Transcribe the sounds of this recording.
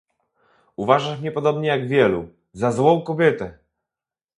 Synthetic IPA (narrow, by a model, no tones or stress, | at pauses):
uvaʐaʂmɲɛpɔd̪ɔbɲɛjaɡvʲjɛlu | zazwɔ̃w̃kɔbʲjɛt̪ɛ